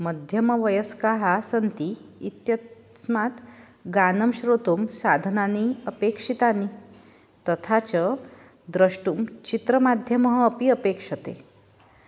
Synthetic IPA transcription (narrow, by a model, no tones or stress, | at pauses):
məd̪ʱjəməʋəjəskaɦasənt̪iːt̪jə | smat̪ | ɡanəmɕɾot̪uːmsad̪ʱənaniəpekʂit̪ani | t̪ət̪ʰat͡ɕə | d̪ɾəʂʈuːmt͡ɕit̪ɾəmad̪ʱjəməɦːpiəpekʂət̪ḛ